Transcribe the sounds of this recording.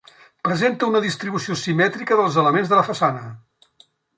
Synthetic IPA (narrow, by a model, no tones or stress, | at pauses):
pɾəzent̪əunəðist̪ɾiβusiosimɛt̪ɾikəðəlˠzələmenzðələfəsanə